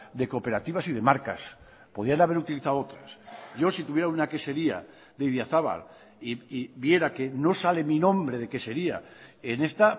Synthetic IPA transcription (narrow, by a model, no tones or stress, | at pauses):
d̪e̞ko̞peɾat̪iβasiðe̞maɾkas | po̞ðianaβ̞e̞ɾut̪iliθaoot̪ɾasɟ͡ʝo̞sit̪uβje̞ɾaunake̞se̞ɾia̰ | ðeiðjaθaβa̰l | iiβje̞ɾake̞no̞sale̞mĩnõ̞mbɾe̞ð̞e̞ke̞se̞ɾia̰ene̞st̪a